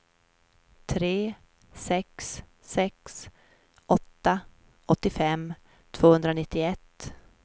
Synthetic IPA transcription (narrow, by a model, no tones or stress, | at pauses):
t̪ʰɾeː | sɛksː | ɛks | ʔɔt̪ːa | ɔt̪ːɪfɛmː | t̪ʰv̥oːhɵnd̪ɾanɪt̪ːɪɛt̪ː